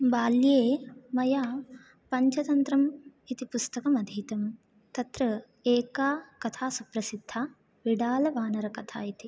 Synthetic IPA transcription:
baːljeːmɐjaː | pɐɲt͡ʃɐt̪ɐnt̪ɾɐmit̪ipust̪ɐkɐmɐd̪ʱiːt̪ɐm | t̪ɐt̪ɾɐ | eːkaːkɐt̪ʰaːsupɾɐsid̪ʱːaː | ʋiɖaːlɐʋaːnɐɾɐkɐt̪ʰa̰ːit̪i

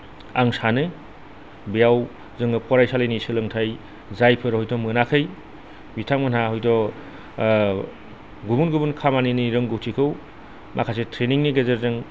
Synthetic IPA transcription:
aŋsanɯ | bijaw | zɯŋɯpʰɔɾajsalɯjnisɯlɯŋtʰaj | zajpʰɯɾhɔjtɔmɯnakʰɯj | bitʰaŋmɯnahɔjdɔ | ɡubunɡubunkʰamaniniɾɯŋɡɯwtʰikʰɯw | mʔa̰kʰasetʰɾeniŋniɡezeɾzɯŋ

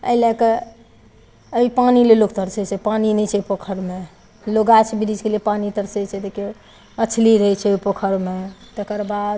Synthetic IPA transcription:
ə̰lɛke | əipanilelokt̪əɾsət͡ʃʰɛpaninɛt͡ʃʰɛipokʰəɾme | loɡat͡ʃʰbiɾid͡ʒkelepanit̪əɾsəjt͡ʃʰɛd̪eke | ət͡ʃʰliɾəɦɛt͡ʃʰɛipokʰəɾmet̪əkəɾbad̪

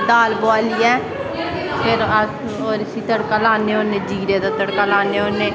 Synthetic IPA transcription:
d̪aːlboaːlijɛː | pʰɪɾ | oːɾɪsiːt̪əɽkaːlaːneːoːneːd͡ʒiːɾeːd̪aːt̪əɽkaːlaːneːoːneː

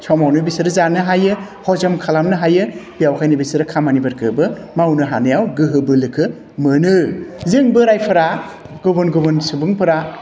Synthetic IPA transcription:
t͡ʃʰɔmawnɯbisɯɾɯzanɯɦajɯ | hɔzamkʰalamnɯɦajɯb̥ijawkʰajnɯbisɯɾɯkʰamanibɐɾkʰɯbɯ | mawnɯɦanɯjawɡɯɦɯbɯlɯkʰɯ | mɯnɯzɯŋbɯɾajpʰɐɾa | ɡobɯnɡɯbɯnsubɯŋpɯɾa

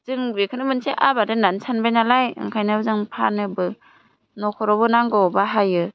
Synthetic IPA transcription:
z̥ɯŋbekʰɯnɯmɯnseʔabadɯnansʰanbajnalajɯ̰ŋkʰajnɯɯzaŋpʰa̰nɯbɯ | nɔkʰɔɾɔbɯnaŋɡɔbaɦajɯ

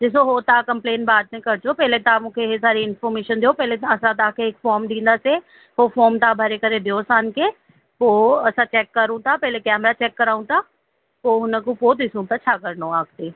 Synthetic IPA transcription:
d͡ʒɪs̬oɦoːt̪akɐmpleːnbaːd̪nẽkɐɾt͡ʃopɛɦlet̪amʊ̃kʰeɦesaːɾiɪnfɔːɾmeːʃənd̪eoːpɛːlet̪ɐsãt̪aːkeːkfɔːɾmd̪ĩːnd̪ase | ɦoːfʰoːɾmt̪abʱɐɾekəɾẽd̪eoːsaːnke | poːɐsãt͡ʃɛːkːɐɾũt̪ʰapɛːɦlekɛːmɾat͡ʃɛːkːɐɾaːũt̪ʰa | poːɦʊnə̃kupoːt̪ɪsõt̪at͡ʃʰakəɾnoaːkt̪eː

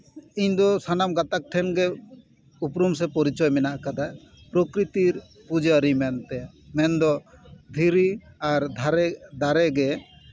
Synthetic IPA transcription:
iɲd̪ɔsanamɡat̪ak̚ʈʰɛnɡɛ | upɾums̬ɛpɔɾit͡ʃɔjmɛnaʔkad̪aj | pɾɔkɾit̪iɾ | pud͡ʒəɾimɛnt̪ɛ | mɛnd̪ɔd̪ʱiɾiaɾd̪ʱaɾɛd̪aɾɛɡɛ

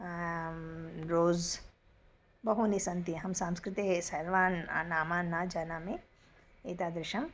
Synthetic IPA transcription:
ɾoːz | bɐɦunisɐnt̪iɛ̃ɦɐmsãːmskɾɪt̪isɐɾʋaːna̰naːmaːnːaːd͡ʒɐnamẽ | eːt̪aːd̪ɾɪʃɐm

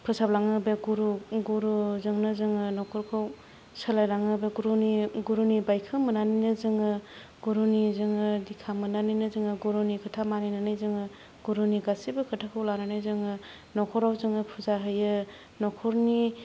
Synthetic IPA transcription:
pʰɯsablaŋɯbeɡuɾuɡuɾuzɯŋnɯzɯŋɯnɔkʰɔɾkʰaw | səlajɾaŋɯbeɡuɾuniɡuɾunibajkʰɯmɯnaninɯzɯŋɯ | ɡuɾunizɯŋɯdikʰamɯnaninɯzɯŋɯɡuɾunikʰɯtʰamaninanɯjzɯŋɯ | ɡ̥uɾuniɡasibɯkʰɯtʰakʰɯwlananɯjzɯŋɯ | nɔkʰɔɾawzɯŋɯpʰɯzaɦɯjɯ | nɔkʰɔɾni

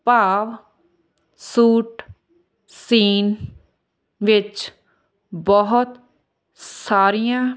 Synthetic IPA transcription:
paːʋ | suːʈ | siːn | ʋɪt͡ʃ | bɔɦʊt̪ | saːɾijãː

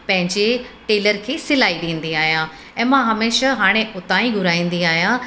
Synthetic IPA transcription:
pɐ̃ɦɪ̃ɲd͡ʑeʈeːləɾkʰeːsɪlaːiɗẽːnd̪iaːɦijãː | ɛ̃ːmãɦɐmeːʃaɦaːɽ̃ẽʔʊt̪ãːĩɡʱʊɾaːĩːn̆d̪iaːɦijã

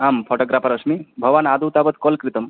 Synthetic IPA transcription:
aːmpʰɔʈoːɡɾaːpʰɐɾɐsmibʱɐʋaːnaːd̪uwt̪aːbət̪kɔlkɾit̪əm

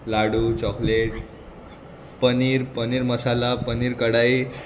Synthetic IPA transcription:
laɽut͡ɕɔkleʈ | pəniɾpəniɾməsalapəniːɾkəɽai

